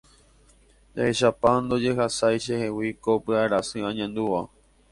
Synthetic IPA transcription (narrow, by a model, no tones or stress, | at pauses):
d͡ʒaheʃapand̪o̞d͡ʒe̞ɦasajʃehewikopɨaɾasɨ̃ãɲãnd̪uʋa